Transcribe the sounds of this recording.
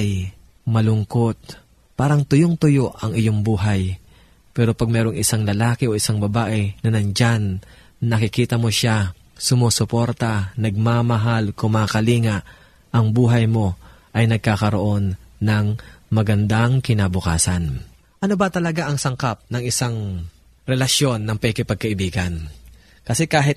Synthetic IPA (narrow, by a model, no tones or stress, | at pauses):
j | mɐlʊŋko̞t̪̚ | paːɾɐŋt̪ʊjoŋt̪ʊjo̞ʔɐŋɪjo̞ŋbuːɦɐj | pɛːɾo̞pɐɡ̚mɛːɾo̞ŋʔɪsaŋlɐlaːkɛʔo̞ʔɪsaŋbɐbaːʔɪnɐnɐnd͡ʒanː | ɐkɪkiːt̪ɐmoʃa | sʊmoːsʊpo̞ɾt̪ɐnɐɡ̚mamɐɦalkʊmaːkɐliːŋaʔ | ʔɐŋbuːɦɐjmo̞ | ʔɐjnɐɡ̚kaːkɐɾoʔo̞nːɐŋmɐɡɐnd̪aŋkɪnaːbʊkaːsɐn | ʔɐnobɐt̪ɐlɐɡaʔɐŋsɐŋkap̚nɐŋɪsaŋ | ɾɛlɐʃjo̞nːɐŋpːkɪpɐɡ̚kɐʔɪbiːɡɐn | kɐsɛkaːɦɪt̪̚